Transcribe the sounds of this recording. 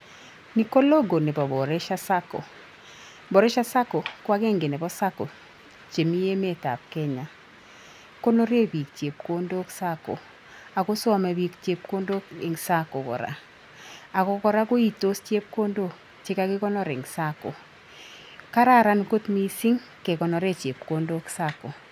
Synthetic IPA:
ni˨ko˦lo˦ɡo˨nɪ˨pɔ˨bɔ˨ɾe˦ʃa˦sa˦ko̰˨ | bɔ˨ɾe˦ʃa˦sa˦ko˨kwa˦ɡɛ˦ŋɡɪ˨nɛ˨bɔ˦sa˦ko̰˨ | t͡ʃe˨mi˦je˦me˦˨ta̰˨p̚kɛ˦ɲa˨ | ko˦no˦ɾe˦bi˨kt͡ʃje˨p̚ko˦ndo˦ksa˦ko̰˨ | a˨ko˦sɔ˦mɛ˨βi˨kt͡ʃe˨p̚ko˦ndo˦kɪ˨ŋsa˦ko˨kɔ̰˨ɾa̰˨ | a˨kɔ˨kɔ˦ɾa˦ko˦i˦to˦st͡ʃe˦p̚ko˦ndo˦k | t͡ʃɪ˦ka˦kɪ˦kɔ˦nɔ˦ɾe˨ŋsa˦ko̰˨ | ka˦ɾa˦˨ɾa˦nko˦tmi˨si˦ŋ | ke˨kɔ˨nɔ˨ɾe˦t͡ʃe˨p̚ko˦ndo˦ksa˦ko˨

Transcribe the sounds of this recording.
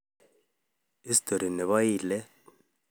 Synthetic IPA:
i˦si̥tʰʼo˨ɾi˨nɛ˨βa˦iːlɛ˦

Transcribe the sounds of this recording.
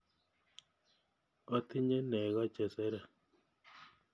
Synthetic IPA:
ɔ˦t̪ɪ˦ɲe˦nɛ˨ɣɔ˦t͡ʃɛ˨sɛ˦ɾa˨

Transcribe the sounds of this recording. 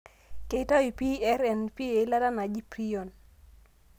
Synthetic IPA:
ke˨˦ta˦ji˨pi˦ɛ˦ɾɛ˨npi˦e˨˦la˦ta˦na˨d͡ʒi˦pɾi˦jo˨n

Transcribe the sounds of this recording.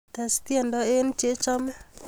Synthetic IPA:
t̪ɛ˨st̪je˦ndɔ˦e˦nt͡ʃe˦t͡ʃɔ˦mɛ˦

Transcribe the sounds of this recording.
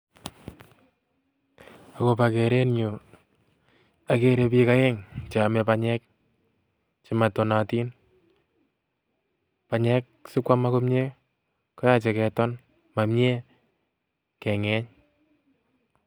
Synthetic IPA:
a˨ko˨pa˨ke˨ɾe˦nɲo˨ | a˨ke˨ɾe˨pi˦ka˦ɛ˦ŋt͡ʃa˨mɛ˨pa˨ɲɛ˦k̚ | t͡ʃi˦ma˨to˨nati˦n | pa˨ɲɛ˦k̚sɪ˦kwa˦ma˦ko˦mɲe˦ | kɔ˦ja˨t͡ʃɛ˨kɛ˨tɔ˦n | ma˨mɲe˦ | kɛ˨ŋɛ˦ɲ

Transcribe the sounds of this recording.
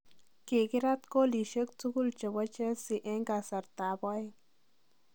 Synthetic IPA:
ki˨ɡi˦ɾa˦t̪ko˦li˨ʃə˦k̚t͡su˦ɡu˦lt͡ʃə˨ba˦t͡ʃe˦si˨ʔe˦ŋɡa˨sa˨ɾt̪a˨ba˦j

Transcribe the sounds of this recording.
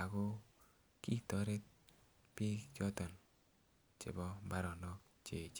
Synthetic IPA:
a˨ɡo˦ | ki˦tɔ˨˦ɾe˦t | pi˦d͡ʒɔ˦tɔ˨n | t͡ʃɪ̰˨bɔ˦ba˦ɾɔ˨nɔ˦k | t͡ʃe˨t͡ʃ

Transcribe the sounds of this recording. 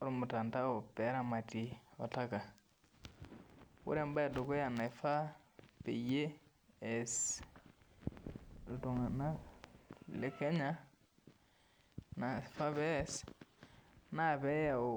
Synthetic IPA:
ɾmʊ˨ta˨nta˦o˨pɛ˨˦ɾa˨ma˨ti˨ɔ˨ta˦ka˨ | wʊ̰˦ɾe˦˨mba˦e˨do˨ko˦ja˨na˨ɪ˨fa˦pḛ˨je˦ | ɛ˨s | ltu˨ŋa˨na˦ | le˦kɛ˦ɲa˦ | na˨fa˦bɛ˦˨s | na˦˨bɛ˦ja˨

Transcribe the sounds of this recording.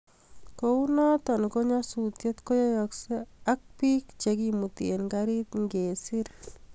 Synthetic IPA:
kou˦na˦t̪ɔ˨nko˦ɲɔ˦su˨t̪je˦t̪ko˦jɔ˦jɔkse˦a˦k̚pi˦kt͡ʃekimu˨t̪ienkaɾi˦t̪ŋɡe˨si˦ɾ

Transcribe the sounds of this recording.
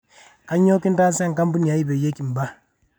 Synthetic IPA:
ka˦ɲo˦ki˦n˦ta˦se˦ŋ˨ka˦mbu˦ni˨a˨˦i˦be˨je˦ki˨m˨ba˦

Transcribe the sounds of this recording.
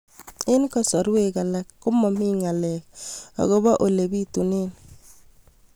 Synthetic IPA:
ɪ˦nkɔ˦sɔ˨ɾwe˦ka˨la˦kːʊ˦mɔ˨mi˦ŋa˨lɛ˨k̚ɔ̰˨ɣo˦ba˦ʔo˨le˨bi˦tu˨ne˦n

